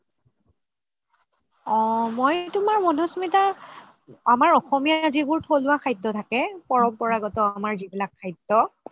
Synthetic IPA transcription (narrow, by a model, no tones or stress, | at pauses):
ɔmojtʊmaɹmɔnosmita | amaɹɔxɔmijazibʊɹtʰolʊwakʰajtːɔtʰakɛpɔɹɔpɔɹaɡɔtɔamaɹzibilakʰːajtːɔ